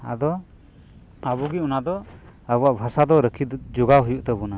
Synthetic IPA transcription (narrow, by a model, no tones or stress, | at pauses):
a̰d̪ɔ | abuɡiunad̪ɔabuaʔbʱasad̪ɔɾəkʰid͡ʒuɡaɦujuʔt̪ɛbuna